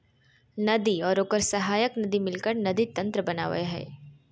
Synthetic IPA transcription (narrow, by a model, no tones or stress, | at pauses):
nɐd̪iɔːɾoːkəɾsɐɦaːjəknɐd̪imɪlkəɾnɐd̪it̪ɐ̃nt̪ɾəbɐna̰ːʋɐ̰eɦɛ̰ː